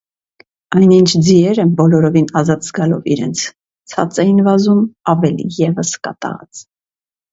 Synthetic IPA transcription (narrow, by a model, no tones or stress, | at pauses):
ɑjnint͡ʃʰd͡ziɛɾəbɔlɔɾɔvinɑzɑt̪zɡɑlɔvḭɾɛ̰nt͡sʰ | t͡sʰɑ̰t͡sɛjinvɑzumɑvɛlḭjɛvəskɑ̰t̪ɑ̰ʁɑ̰t͡s